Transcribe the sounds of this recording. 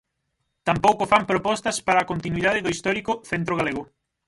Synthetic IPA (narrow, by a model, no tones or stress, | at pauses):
t̪ampowkʊfampɾopɔst̪ɐspaɾaːkont̪inwiðað̞ɪðoist̪ɔɾikʊθent̪ɾoɣaleɣʊ